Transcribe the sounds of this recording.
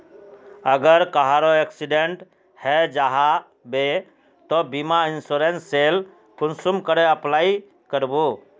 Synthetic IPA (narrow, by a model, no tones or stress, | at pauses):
əɡəɾkaɦaɾoeksiɖeɳʈ | hɛd͡ʒaɦa | be | t̪ɔbimainsuɾensːel | kʰunsumkəɾeəplai | kəɾbu